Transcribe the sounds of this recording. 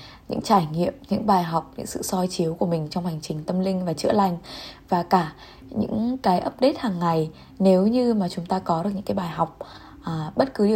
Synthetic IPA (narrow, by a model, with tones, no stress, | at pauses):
ɲɨ̰˧˥ŋt͡ɕaː˧˩jŋḭ˧˨əmɲɨ̰˧˥ŋɓaː˨˩jɦa˨˩wk͡p̚ɲɨ̰˧˥ŋsɨ̰˧˨sɔ˧jt͡ɕi˨˦əwku˧˩əmï˨˩ŋ̟t͡ɕɔ˧wŋ͡mha˨˩jŋ̟t͡ɕï˨˩ŋ̟t̪ə˧mlï˧ŋ̟vaː˨˩t͡ɕɨ̰˧˥əla˨˩jŋ̟vaː˨˩kaː˧˩ | ɲɨ̰˧˥ŋkaː˨˦jʔə˦˥p̚ɗe˦˥t̚haː˨˩ŋːa˨˩j | ne˨˦wɲɨ˧maː˨˩t͡ɕʊ˨˦ŋ͡mt̪aː˧kɔ˨˦ɗɨ˨˩k̚ɨ̰˧˥kaː˨˦jɓaː˨˩jɦɔ˨˩wk͡p̚ | ʔɓə˦˥t̚kɨ˨˦ɗi˨˩